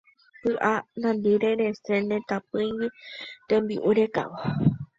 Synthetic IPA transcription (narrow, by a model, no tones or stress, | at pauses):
pɨʔanãnd̪iɾe̞ɾe̞se̞nẽ̞t̪ãpɨ̃jɡit̪ẽmbiʔuɾeka̰wo